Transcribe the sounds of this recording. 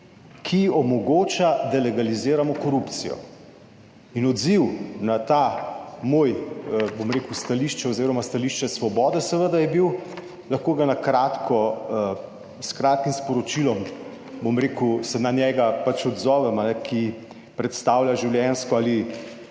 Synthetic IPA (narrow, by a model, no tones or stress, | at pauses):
kʰiɔmɔɡoːt͡ʃad̪alɛɡalizeːɾamɔkɔɾupt̪sḭjɔ̰ | inɔd̪ziwnat̪amoːjbomɾeːkuwst̪aliʃt͡ʃɛozeːɾɔmast̪aliʃt͡ʃɛsʋɔbɔːd̪ɛsəʋəd̪ajɛbiw | lɐxkoːɡanakɾat̪kʰɔ | skɾaːt̪̚kimspɔɾɔt͡ʃilɔm | bomɾeːkusɛnanjɛɡapat͡ʃɔd̪zɔːʋɛmanɛkʰi | pɾɛt̪st̪aːwlʲjaʒiwljɛnskɔaːli